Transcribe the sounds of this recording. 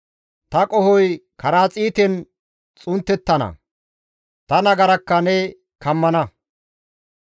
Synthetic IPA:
t̪ɐkʼɔhɔjkʰɐɾaːt͡sʼiːt̪ɛn | t͡sʼʊnt̪ːɛt̪ːɐnɐ̰ | t̪ɐnɐɡɐɾɐkːɐnɛ | kɐmːɐnɐ

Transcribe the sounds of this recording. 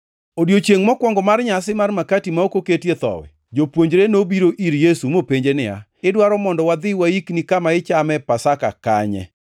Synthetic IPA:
odjot͡ʃeŋmɔkwɔŋɡɔmarɲasɪmarmakatimaokoketjet̪ɔ̰wɛ̰ | d͡ʒopwoɲd͡ʒɾenobiɾoʔiɾjesumopeɲd͡ʒenɪa̰ | ɪdwaɾɔmɔndɔwad̪ɪwaiknikamaɪt͡ʃamɛpasaka̰ka̰ɲɛ̰

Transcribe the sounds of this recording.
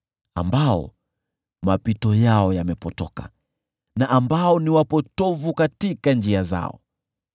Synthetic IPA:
a̰mbaɔ̰ | mapitɔjaɔjamɛpɔtɔka̰ | naʔːmbaɔniwapɔtɔvukatikand͡ʒiaza̰ɔ̰

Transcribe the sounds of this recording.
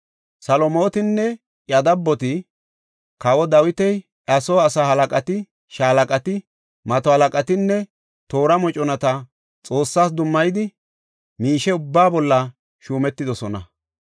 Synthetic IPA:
sɐlɔmo̞ːt̪ɪnːɛ | jɐd̪ɐbːɔt̪ɪ | kɐwɔd̪ɐwɪt̪ɛj | ʔɐsoːɐsahɐlɐkʼɐt̪ɪ | ʃaːlɐkʼɐt̪ɪ | mɐt̪ɔhɐlɐkʼɐt̪ɪnːɛ | t̪o̞ːɾɐmɔt͡ʃʼɔnɐt̪ɐ | t͡sʼo̞ːsːaːs̬d̪ʊmːɐjd̪ɪ | miːʃɛʊbːaːbɔlːɐ | ʃuːmɛt̪ːɪd̪ɔsɔnɐ̰

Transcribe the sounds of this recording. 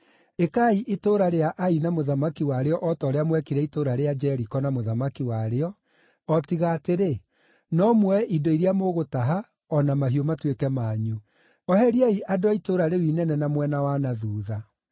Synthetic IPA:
ekaiʔetoːɾaɾeaʔainamoðamakiwaɾeɔʔɔtɔɾeamwɛkiɾɛitoɾaɾead͡ʒɛɾikɔnamoðamakiwaɾeɔ | ɔtiɣaːteɾe | nɔmwɛʔidɔiɾiamoɣotaɦa | ɔnamaɦiomatwekɛmaːɲu | ɔɦɛɾiaiʔadoaitoɾaɾewinɛnɛnamwɛnawanaðuːða

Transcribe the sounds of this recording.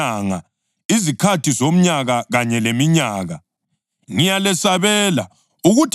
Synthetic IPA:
aŋa̰ | izikʰatʰizom̩ɲaɣaɣaɲɛlemiɲaːɣa | ŋijalɛsaβɛla̰ | uɣutʰ

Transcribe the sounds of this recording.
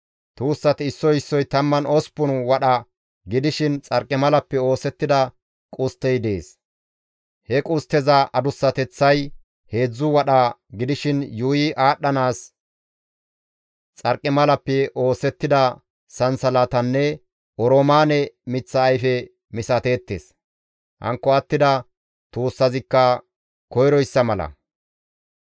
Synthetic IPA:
t̪uːsːɐt̪ɪɪsːɔjɪsːɔjt̪ɐmːɐnɔspʊnwɐɗɐ | ɡɪd̪ɪʃɪnt͡sʼɐɾkʼːɪmɐlɐpːɛo̞ːsɛt̪ːɪd̪ɐ | kʼʊst̪ːɛjd̪e̞ːs | hɛkʼʊst̪ːɛzɐʔɐd̪ʊsːɐt̪ɛt͡sːɐj | he̞ːd͡zːʊwɐɗɐɡɪd̪ɪʃɪnjuːjɪʔaːɗːɐnaːs | t͡sʼɐɾkʼːɛmɐlɐpːɛʔo̞ːsɛt̪ːɪd̪ɐ | sɐnsɐlat̪ɐnːɛ | ʔɔɾoːmaːnɛmɪt͡sːɐːjfɛ | mɪsɐt̪e̞ːt̪ːḛːs | hɐ̰ŋkːɔɐt̪ːɪd̪ɐ | t̪uːsːɐzɪkːɐ | kɔjɾɔjsːɐmɐlɐ̰

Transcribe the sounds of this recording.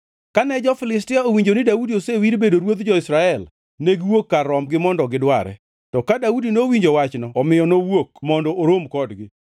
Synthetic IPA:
kanɛd͡ʒɔfɪlɪstɪaowiɲd͡ʒonɪdaudiosewiɾbedoɾwot̪d͡ʒɔɪsɾaɛl | neɡwokːaɾɔmɡɪmɔndɔɡɪdwa̰ɾɛ̰ | tɔkadaudinowiɲd͡ʒowat͡ʃnɔɔmɪjɔnowokmɔndɔʔoɾomkɔdɡɪ

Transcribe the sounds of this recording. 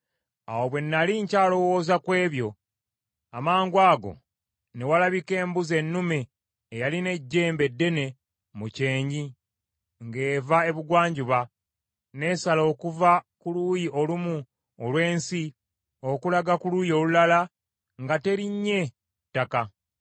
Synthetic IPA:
a̰wo̞βwe̞nːaliɲcaːlo̞wo̞ːzakwe̞ːβjo̞ | amaːŋɡwaːɡo̞̰ | ne̞walaβike̞ːmbuze̞nːumeː | jaline̞ɟːe̞ːmbe̞dːe̞ne̞ | muce̞ːɲɟi | ŋɡe̞ːvae̞βuɡwaːɲɟuβa | ne̞salo̞ːkuvakulujio̞lumu | olwe̞ːnsi | o̞kulaɡakulujo̞ːlulala | ŋɡate̞ɾiɲːe̞ | tːaka

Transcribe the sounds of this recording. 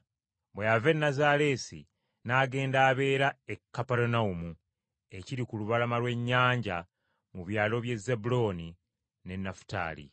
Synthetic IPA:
bwejave̞nːazaɾe̞sḭ | naːɡe̞ːndaːβe̞ːɾaekːapeɾunaumu | e̞ciɾikuluβalamalwe̞ɲːaːɲɟa | muβjaːlo̞βje̞zːebulo̞ːni | ne̞nːafu̥ta̰ːlḭ

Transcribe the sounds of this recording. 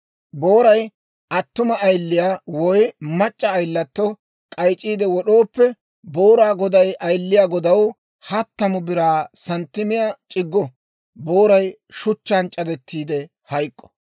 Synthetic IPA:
boːɾɐj | ʔɐt̪ːʊmɐːjlːɪjaːwɔjmɐt͡ʃʼːɐːjlːɐt̪ːɔ | kʼɐjt͡ʃʼiːd̪ɛwɔɗo̞ːpːɛ | boːɾaːɡɔd̪ɐjʔɐjlːɪjaːɡɔd̪ɐw | hɐt̪ːɐmʊbɪɾaːsɐnt̪ːɪmɪjaːt͡ʃʼɪɡːɔ | bo̞ːɾɐj | ʃʊt͡ʃːaːnt͡ʃʼːɐd̪ɛt̪ʰːiːd̪ɛ | hɐjkʼːɔ̥

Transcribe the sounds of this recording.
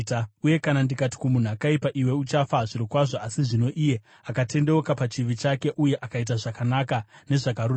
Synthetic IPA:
tuje̞kanandikati̥kumun̤akaipaʔiwe̞ut͡ʃafaʐiɾikwaʐoasiʐino̞ʔije̞ | akatʰe̞ndewokapat͡ʃiʋit͡ʃake̞ʔuje̞ʔakait̬aʐakanakane̞ʐaɡaɾu

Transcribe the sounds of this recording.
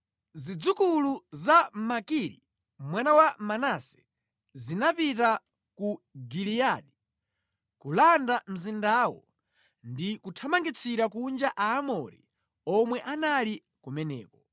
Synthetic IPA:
zid͡zukuluzamakiɾḭ | mwanawamanasɛ̥ | zinapita | kuɡiliaɗi | kulandam̩zindaːwɔ̰ | ndikutʰamaŋɡit͡sʰiɾakund͡ʒaʔaːmɔɾḭ | ɔmwɛʔanali | kumɛnɛ̰ːkɔ

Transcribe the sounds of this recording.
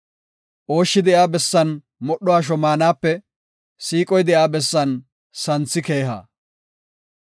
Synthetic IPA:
ʔo̞ːʃːɪd̪ɛʔaːbɛsːɐn | mɔɗːɔaːʃ̬ɔmaːnaːpːɛ | siːkʼɔjd̪ɛjaːbɛsːɐn | sɐnt͡sːɪke̞ːɦa̰ː

